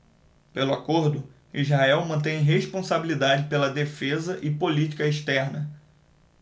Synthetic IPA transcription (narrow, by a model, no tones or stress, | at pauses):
pelʊakoɾd̪ʊ | izɦaɛwmɐ̃nt̪ẽj̃ɦeʃpõsabilid̪ad͡ʒɪpelɐd̪efezɐʔɪpolit͡ʃi̥kɐeʃt̪ɛɾnɐ